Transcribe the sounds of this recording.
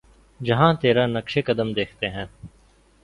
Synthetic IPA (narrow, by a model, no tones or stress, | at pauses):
d͡ʒɐɦãt̪eːɾanəkʃekəd̪əmd̪eːkʰt̪eɦɛ̃ː